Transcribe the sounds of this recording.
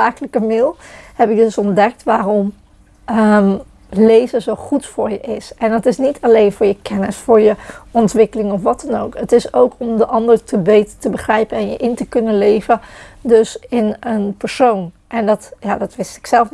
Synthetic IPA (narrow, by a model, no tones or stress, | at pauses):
aːkələkəmɪlˠhɛpɪk̚dɵsɔndɛk̚tʋaːrɔm | əm | lejvəzowχutfʊːɹjəʔɪsɛnɑtɪsnitʰalejnvʊːɹjəkʰɛnɪsfʊːɹjəʔɔntʋɪkəlɪŋɔfʋɑtɑnowkətɪsowkʰɔmdəʔɑndərtʰəbejtətəbəχrɛjpənɛnjəʔɪntəkɵnənlejvəndɵsɪnənpəɹsown | ʔɛndɑtjaːdɑtʋɪstɪ̥ksɛlˠf